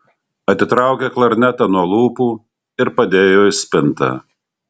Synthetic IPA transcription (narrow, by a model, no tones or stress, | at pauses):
ɐt̪ʲɪt̪ɾɑˑʊkʲeklˠɐɾʲnʲɛt̪ɐnuɔlˠuːpuː | ɪɾpɐd̪ʲeːjoːɪsʲpʲɪnt̪ɐ̰